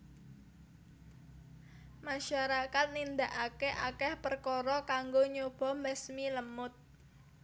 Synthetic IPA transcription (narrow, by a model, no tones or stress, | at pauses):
maʃaɾakat̪̚nind̪aʔakeʔakɛhpərkɔɾɔkaŋɡoɲob̥ɔ̤mɛsmiləmʊt̪̚